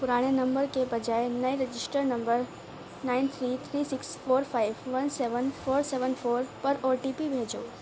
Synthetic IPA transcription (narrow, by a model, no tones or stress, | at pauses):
pʊɾaːɽ̃enɐ̃mbəɾkebɐd͡ʑaːenɐiɾɪd͡ʑɪsʈəɾnɐ̃mbəɾ | naːɪnt̪ʰɾiːt̪ʰɾiːsɪksfoːɾfaːɪʋʋɐnseːʋənfoːɾseːʋənfoːɾpɐɾoːʈiːpibʱeːd͡ʑo̰ː